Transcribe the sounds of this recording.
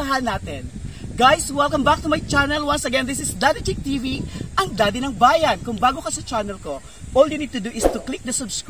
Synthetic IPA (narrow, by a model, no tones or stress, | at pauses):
ɐɦanaːt̪ɪnɡajswɛlkɐmbak̚t̪ʊmɐjt͡ʃanɛlwɐnsɐɡɛnd̪ɪsɪsd̪ad̪ɪt̪ɪk̚t̪iviʔɐŋd̪aːd̪ɪnɐŋbaːjɐnkʊŋbaːɡo̞kɐsɐt͡ʃanɛlko̞ | ʔold̪inɪt̪ud̪ʊʔɪst̪ʊklɪk̚d̪ɐsɐbsk